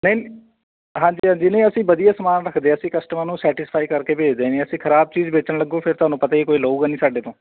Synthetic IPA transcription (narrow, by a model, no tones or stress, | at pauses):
nəi | ɦãːɲd͡ʒiːɦãːɲd͡ʒiːnəĩːəsĩːbəd̪ijaːsəmaːnɾəkʰd̪eːəsĩːkəsʈəmanũːsɛːʈɪspʰaːiːkəɾkeːpeːd͡ʒd̪eːneːəsĩːkʰəɾaːb̚t͡ʃiːd͡ʒbeːt͡ʃənləɡːõːpʰɪɾt̪ʊaːnũːpət̪aːiːkoːiːlouːɡaːnĩːsaːɖeːt̪õː